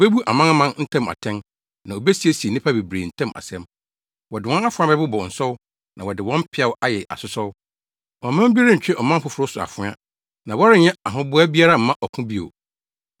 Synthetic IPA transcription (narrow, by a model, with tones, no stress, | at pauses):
be˦bu˦ʔa˨mã˦n˦mã˦nn̩˦tʰɛ̃˦ma̰˨tʰɛ̃˦n | nã˨o˨be˦si˨˦e˦si˨e˨nɪ̃˦pʰa˦be˨bɾḛ˨n̩˨tʰɛ̃˦mʔa̰˨sɛ̃˦m | wɔ˨dɪ˨wɔ̃˦a˦fʊ̃˨˦a˦bɛ˦bʊ˦bɔ˨n̩˨sɔ˦w | nã˨wɔ˨dɪ˨wɔ̃˦m̩˦pʰɪ˦a˦wʔa˦jɛ˨ʔa̰˨sʊ˦sɔ˦w | wɔ̃˨mã˦m̩˦bi˦ɾɪ̃˦ɲ̩˨t͡ɕᶣɪ˦ʔɔ˨mã˦m̩˦ɸʊ˨˦fʊ˨ɾʊ˦sʊ˨a̰˨fʊ˦a̰˦ | nã˨wɔ˦ɾɪ˦ɲɛ̃˦a˨ɦʊ̃˦bʊ˦a˦bi˦a˦ɾa˦m̩˨mːã˦ʔɔ˨kʰʊ̃˦bi˦o̰˨